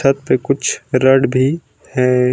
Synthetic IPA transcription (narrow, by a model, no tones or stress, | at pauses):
at̪̚pekʊt͡ʃʰɾəɽbʱi | hɛ